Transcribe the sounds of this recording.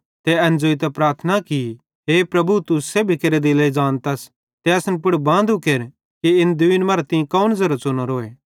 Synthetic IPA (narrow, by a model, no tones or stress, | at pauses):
t̪ɛɐ̃nd͡ʒoːit̪̬ɛpɾaːɾt̪ʰənaki | ɦeːpɾɐbʱut̪usebʱikeɾed̪ilɐid͡ʒaːnt̪ɐs | t̪ɛɐsnpʊɽbãːnd̪ukeːɾ | kiɪnd̪ʊinmɐːɾat̪ɪĩkɐunzɐɾɐt͡ʃonoɾoːeː